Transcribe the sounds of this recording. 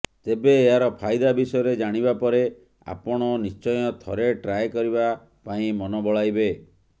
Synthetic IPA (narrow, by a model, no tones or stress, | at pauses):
t̪ebeːɦaɾɔpʰajd̪abisɔjɔɾed͡ʒaɽ̃ibapɔɾe | a̰pɔɽ̃ɔnist͡ʃɔjɔt̪ʰɔɾeʈɾajkɔɾiba | paĩmɔnɔbɔɭajbe